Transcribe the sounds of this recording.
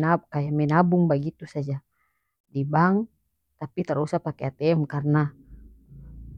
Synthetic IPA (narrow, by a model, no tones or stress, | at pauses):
akajamɛnabuŋbaɡit̪usad͡ʒa | dibaŋ | t̪apit̪əɾusapakeat̪ɛɛmkarna